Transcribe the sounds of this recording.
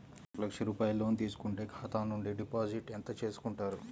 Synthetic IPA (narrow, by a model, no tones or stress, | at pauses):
lɐkʂɐɾuːpaːjɐloːnit̪iːsu̥kuɳʈeːkʰaːt̪aːnuɳɖiɖipaːd͡ʒiʈent̪ɐt͡ʃe̞ːsu̥kuɳʈaːɾu